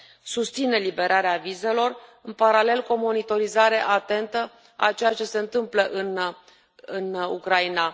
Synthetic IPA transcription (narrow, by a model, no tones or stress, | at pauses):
sust̪sine̞libe̞ɾʔaɾeavize̞lo̞rɨnpaɾale̞lkuo̞mo̞nit̪o̞ɾizaɾe̞ʔat̪e̞nt̪ə | a̰t͡ʃe̞jat͡ʃe̞se̞ɨnt̪ɨmpləʔɨn | ɨnṵkɾaina